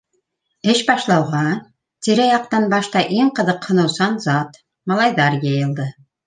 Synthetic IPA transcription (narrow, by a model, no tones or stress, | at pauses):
ɘʃbɑʃlˠɑwʁɑ | t̪iɾæjɑqt̪ɑnbɑʃt̪ɑʔiŋqɤ̆ðɤqhŏnɤ̆wsɑnzɑt̪ | mɑlˠɑjðɑɾjɤjɤ̆lˠd̪ɤ